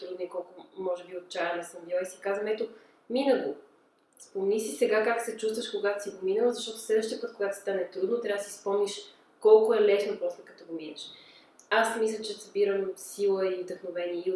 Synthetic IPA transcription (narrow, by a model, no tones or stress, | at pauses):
t̪ɾud̪noikɔlˠkomɔʒɛbiot̪̚t͡ʃaɛnɐsəmbjɔisi̥kazvəmɛt̪o | minəɡo | spomɛnisisɛɡakaksɛt͡ʃust̪vəʃkoɡat̪o̥siɡominəlˠzɐʃt̪ɔt̪ʊ̥slɛd̪vəʃt̪iəpət̪̚koɡat̪o̥st̪anɛt̪ɾud̪not̪ɾʲavd̪sispɔmniʃ | kɔlˠkoɛlɛsnopɾɔslɛkɐt̪ɔɡominəʃ | asmislʲət͡ʃɛzbiɾəmsilˠəiod̪əxnovɛniəi